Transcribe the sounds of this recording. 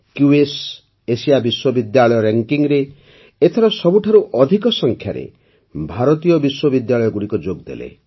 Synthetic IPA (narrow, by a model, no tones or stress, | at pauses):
kjues | esijabiswɔbid̪jaɭɔjɔɾeŋkiŋɾe | et̪ʰɔɾɔsɔbuʈʰaɾuʔɔd̪ʱikɔsɔŋkʰjaɾḛ | bʱaɾɔt̪ijɔbiswɔbid̪jaɭɔjɔɡuɽikɔd͡ʒoɡd̪ḛlḛ